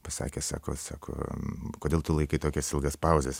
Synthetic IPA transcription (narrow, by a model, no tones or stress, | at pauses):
pɐsɑ̰ːkʲesɑ̰ːko̰ːsɑːkʰo̰ːkoːdʲeːlˠt̪ʊlˠɐɪkɐɪt̪oːkʲɛsɪlˠɡɐspɐʊzʲes